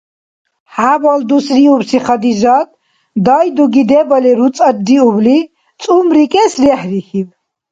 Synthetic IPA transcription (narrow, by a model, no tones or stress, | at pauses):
haːbɔld̪usɾiubsiχɐd̪izat̪ | d̪ajd̪uɡid̪ɛbəlɛɾut͡sʼɐd̪iubli | t͡sʼumɾikʼɛsɾɛhɾihib